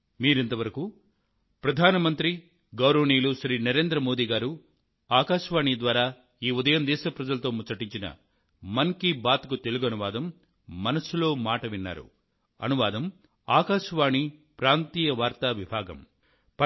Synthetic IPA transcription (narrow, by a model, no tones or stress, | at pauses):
miːɾent̪ɐʋɐɾɐku | pɾɐd̪ʱaːnɐmɐnt̪ɾi | ɡɐwɾɐʋɳiːluʃɾiːnɐɾe̞ːnd̪ɾɐmo̞ːd̪iːɡaːɾu | aːkaːʃʋaːɳid̪ʋaːɾaː | iːud̪ɐjɐmd̪ɛːʃɐpɾɐd͡ʒɐlɐt̪o̞ːmut͡ʃɐʈiɲt͡ʃinɐ̰ | mɐŋkibaːt̪ɐkut̪e̞luɡuɐnuʋaːd̪ɐmː | ɐnɐsulo̞ːmaːʈɐʋinːa̰ːɾṵ | ɐ̰nuʋaːd̪ɐm | aːkaːʃɐʋaːɳipɾaːnt̪iːjɐʋaːɾt̪aʋibʱaːɡɐ̰m | p